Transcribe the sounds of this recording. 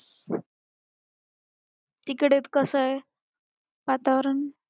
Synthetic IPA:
t̪ikɽet̪kəsəj | ʋat̪aʋəɾən

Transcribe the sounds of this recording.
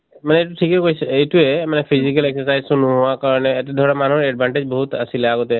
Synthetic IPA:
manɛet̬uʈʰikɛkoijsɛetuɛmanɛpʰizikaleksəsajzsunuɦʊakaɹɔnɛːt̪ɛd̪ʱɔɹamanuɦɔɹɛɖ̚bʱaɳʈed͡ʒbɔɦut̪a̰silaɡɔt̪ɛ

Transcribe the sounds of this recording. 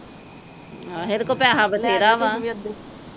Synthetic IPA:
ɦeɾkoːpaːɦaːbət̪eːɾaːʋãː

